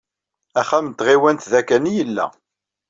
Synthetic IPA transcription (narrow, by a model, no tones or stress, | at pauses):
æχæmt̪ʁiwænt̪ðækːænijəlːæ̰